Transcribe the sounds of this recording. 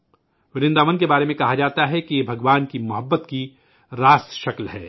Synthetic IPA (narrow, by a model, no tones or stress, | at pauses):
ʋɪɾɪ̃nd̪aːmənkebaːɾemẽkɐɦad͡ʒaːt̪aɦɛkijebʱɐɡʋaːnkimʊɦəbːət̪ki | ɾaːsʃɐklɦɛː